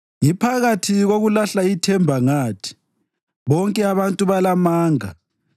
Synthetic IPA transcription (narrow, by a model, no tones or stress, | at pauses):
jipʰaɣatʰiɣoɣulaɬaitʰɛmbʱaŋaːtʰi̥ | βɔŋkʼɛaβantʼuβalamaːŋa